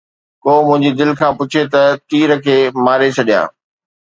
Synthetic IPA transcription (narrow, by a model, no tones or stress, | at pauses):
koːmʊ̃ɦɪ̃ɲd͡ʑid̪ɪlkʰãːpʊt͡ɕʰet̪ɐt̪iːɾəkʰeːmaːɾet͡ɕʰɐɗijã̰ː